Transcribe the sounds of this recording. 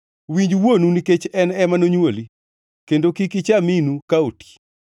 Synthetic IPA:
wiɲd͡ʒwonuniket͡ʃɛnɛmanoɲwoli | kendokikit͡ʃaminukaoti̥

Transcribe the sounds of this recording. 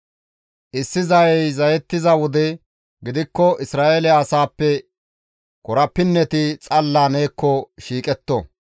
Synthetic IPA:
ʔɪsːɪzɐjɛjzɐjɛt̪ːɪzɐwɔd̪ɛ | ɡɪd̪ɪkːɔʔɪsɾaːʔelɪaːsaːpːɛ | kɔɾɐpːɪnːɛt̪ɪt͡sʼɐlːaːne̞ːkːɔʃiːkʼɛt̪ːɔ̰

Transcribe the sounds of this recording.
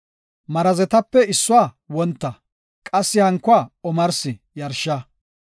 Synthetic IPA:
mɐɾɐzɛt̪ɐpːɛɪsːʊaː | wɔnt̪ːɐ | kʼɐsːɪhɐŋkːʊaːɔmɐɾsɪ | jɐɾʃːɐ

